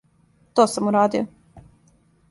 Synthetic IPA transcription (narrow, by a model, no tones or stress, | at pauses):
t̪oːsamuɾaːd̪io